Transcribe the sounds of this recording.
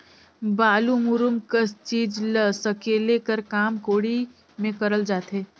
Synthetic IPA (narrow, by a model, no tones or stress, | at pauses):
baːlumʊɾʊmkəst͡ʃiːd͡ʒləsɐkeːlekəɾkaːmkoːɽi | mẽkɐɾəld͡ʒaːt̪ɦeː